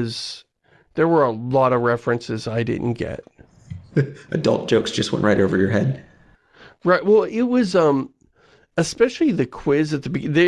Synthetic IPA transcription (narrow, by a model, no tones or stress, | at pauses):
z̥ | ðə˞wə˞əlɔɾʌvɹɛfɹɨ̃nsɨzaɪdɪ̰dⁿn̩ɡ̥ɛ̰t̚ | ʔɨdʌ̰lˠt̚d̥ʒ̥oʊksd̥ʒ̥ʌst̚wɛ̰̃nʔɹaɪɾoʊvə˞jə˞ɦɛd̚ | ɹaɪt̚wɛlˠɪt̚wʌzʌ̃m | ɨspɛʃl̩ˠiðɨkʰw̥ɪzɨt̪̚ðɨbɨðɨ